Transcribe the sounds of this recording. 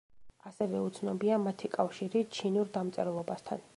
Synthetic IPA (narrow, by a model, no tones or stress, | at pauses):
asɛvɛut̪sʰnɔbiamat̪ʰikʼafʃiɾit͡ʃʰinuɾd̪amt̪sʼɛɾlˠɔbast̪ʰan